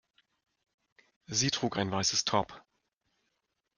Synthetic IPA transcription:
ziːtʁ̥uːkaɪnvaɪsəstʰɔɐp

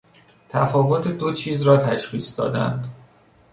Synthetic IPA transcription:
t̪ʰæfɒːvot̪ʰed̪ot͡ʃʰiːzɾɒːt̪ʰæʃxiːsd̪ɒːd̪æ̰nd̪

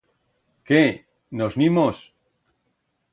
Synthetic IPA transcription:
ke | noznimos

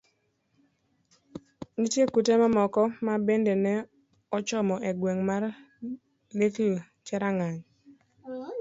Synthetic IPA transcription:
nitjekutemamɔkɔmabendenɛ | ɔt͡ʃɔmɔʔeɡweŋmar | lekl | t͡ʃɛɾaŋaɲ

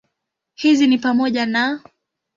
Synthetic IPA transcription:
hizinipamɔʄana

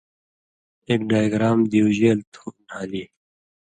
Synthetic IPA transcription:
eːk̚ɖaːjɡɾaːmd̪iwʑeːlt̪ʰuːnhaːliː

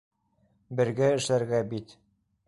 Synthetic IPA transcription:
bɘ̆ɾɡæɘ̆ʃlæɾɡæbit̪

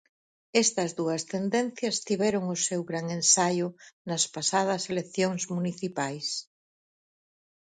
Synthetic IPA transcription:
est̪ɐzðuɐst̪end̪enθjɐst̪iβɛɾoŋʊsewɣɾaŋensajʊnɐspasað̞ɐselekθjoŋzmuniθipajs

